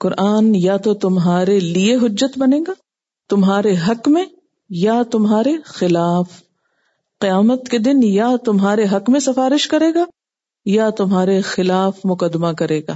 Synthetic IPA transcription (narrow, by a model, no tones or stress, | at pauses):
qʊɾʔaːnjat̪ot̪ʊmɦaːɾelieɦʊd͡ʒːət̪bɐnẽːɡaː | t̪ʊmɦaːɾeɦɐkmẽ | jat̪ʊmɦaːɾexɪlaːf | qɪjaːmət̪ked̪ɪnjat̪ʊmɦaːɾeɦɐkmẽsɐfaːɾɪʃkɐɾeːɡaː | jat̪ʊmɦaːɾexɪlaːfmʊkəd̪makɐɾeːɡa̰ː